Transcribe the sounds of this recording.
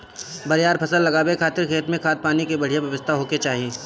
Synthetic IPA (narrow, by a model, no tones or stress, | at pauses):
bɐɾjaːɾpʰɐsəlːɐɡaːbekʰaːt̪ɪɾkʰeːt̪mẽkʰaːt̪̚paːnikebɐɽijabjɐʋəst̪ʰaɦoːket͡ʃaːɦijẽː